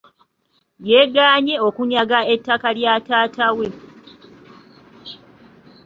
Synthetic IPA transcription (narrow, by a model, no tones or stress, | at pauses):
jeːɡaːɲe̞o̞kuɲaɡae̞tːakaljaːtaːtawe̞